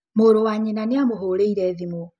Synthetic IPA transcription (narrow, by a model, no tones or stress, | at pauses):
moːɾowaɲenaneamoɦoɾeiɾɛːðimo